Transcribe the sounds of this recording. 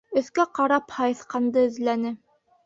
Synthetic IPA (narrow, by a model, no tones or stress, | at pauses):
ɵ̆θkæqɑɾɑphɑjɤ̆θqɑnd̪ɤɵ̆ðlænɘ